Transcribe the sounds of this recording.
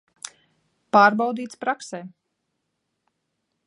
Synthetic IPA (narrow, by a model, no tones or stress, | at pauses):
paːɾbawd̪iːt̪spɾaksɛː